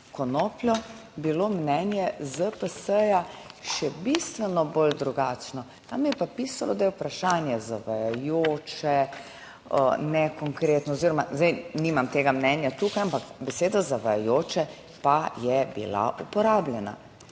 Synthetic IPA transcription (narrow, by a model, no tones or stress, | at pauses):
kɔnoplʲjɔbilomnɛnjɛzəpəsəjaʃɛbist̪ʋɛnɔbold̪ɾuɡat͡ʃnɔ | t̪amjɛpapiːsalɔd̪ajɛupɾaʃaːnjɛzaʋajajoːt͡ʃɛ̰ | nɛkɔŋkɾeːt̪nɔːziːɾɔmazd̪ɛjnimamt̪eːɡamnɛnjat̪uːkajampakbɛseːd̪azaʋajajoːt͡ʃɛ | pajɛbḭla̰ʔupɔɾaːblʲɛna̰